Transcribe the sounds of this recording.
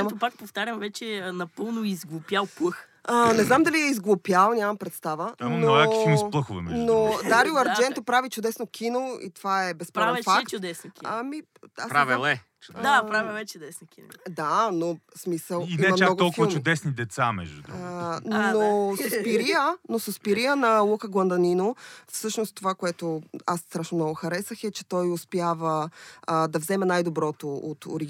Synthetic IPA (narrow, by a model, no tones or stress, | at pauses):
mt̪opak̚poft̪aɾʲɐmvɛt͡ʃɛnɐpɤlˠnoizɡlˠopjalˠklˠɤx | ənɛznamd̪ɐliɛizɡlˠopjalˠnʲjamɐmpɾɛt̪st̪avəamojakimusplˠəxʊvɛ̰mɛnnod̪aɾiʊɐɾd͡ʒɛnt̪opɾavit͡ʃʊd̪ɛsnokʰinoḭt̪ovaɛbɛspaavɛ̃fak̪t͡ʃʊd̪ɛsnkʲiami | asɾavɛlˠɛ | d̪apɾavivɛt͡ʃʊd̪ɛsnokʲin̰d̪anosmisəlˠiiɛmɐmnɔɡ̪ɔlˠkvət͡ʃʊd̪ɛsnid̪ɛt̪samɛ̰ʒd̪ṵ | nosopiɾiənosospiɾijənɐlˠukəɡlˠɐnd̪ɐninofsɤʃnost̪ovakoɛt̪oasst̪ɾaʃnomnɔɡʊxɐɾɛsəxɛt͡ʃɛ̥t̪ɔjospjavə | d̪ɐvzɛmɛnajd̪obɾɔt̪oot̪o̰ɾiɡ